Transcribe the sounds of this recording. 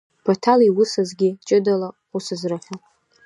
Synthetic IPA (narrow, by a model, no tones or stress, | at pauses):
pʰotʰaliwʊsazɡʲit͡ʃʼɨdala | usɨzraħʲʷᶣa